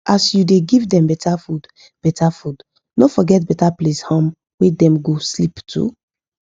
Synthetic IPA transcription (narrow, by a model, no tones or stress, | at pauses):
ʔasjudeɡivdɛ̃mbɛtafud | b̥ɛtʰafud | nofɔɡɛt̚bɛtapleshɔ̃m | wedɛ̃mɡosliptʰṵ